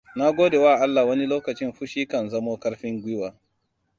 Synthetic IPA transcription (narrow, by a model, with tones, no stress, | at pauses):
na˦ɡʷoː˦de˨waː˦˨ʔa˦lːa˨wɐ˦ni˦loː˦kɐ˨t͡ʃɪ˦mɸʊ˦ʃiː˦kɐ˨nzɐ˦moː˦kɐ˦ɽɸɪ˦ŋɡʷɪ˦waː˨